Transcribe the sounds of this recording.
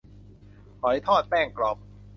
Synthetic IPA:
hɔ˨˩˦jt̪ʰɔː˥˩t̪̚pɛː˥˩ŋklɔ˨˩p̚

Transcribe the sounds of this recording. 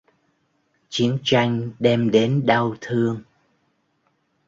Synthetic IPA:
t͡ɕi˨˦ənt͡ɕa˧jŋ̟ɗɛ˧mɗe˨˦nɗə˧wt̪ʰɨ˧əŋ

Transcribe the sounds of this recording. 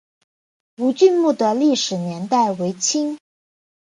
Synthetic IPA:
u˧˥t͡ɕy˥˧nmu˥˩d̪ə˩li˥˩ʂɻ̩˨˩njɛ˧˥nt̪a˥˩ɪwe˧˥ɪt͡ɕʰi˥ŋ

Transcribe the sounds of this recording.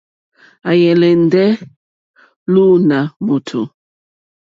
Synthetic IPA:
a˨jɛ˨lɛ˨n˦dɛ˦ | lu˦na˨mu˨tʰṵ˨

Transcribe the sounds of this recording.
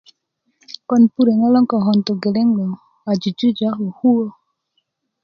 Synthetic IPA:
kɔ˨npu˦ɾe˨ŋa˦lɔ˦ŋkɔ˨ɦɔ˨nt̪o˨ɡe˨lɛ˦ŋlɔ˨ | a˨d͡ʒu˨d͡ʒu˦d͡ʒa˦ɦo˨hu˦o˦

